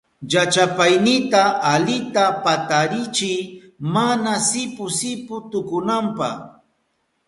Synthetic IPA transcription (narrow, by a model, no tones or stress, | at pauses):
jat͡ʃapajnɪt̪aalɪt̪apat̪aɾɪt͡ʃɪj | manasɪpʊsɪpʊt̪ʊkʊnampa̰h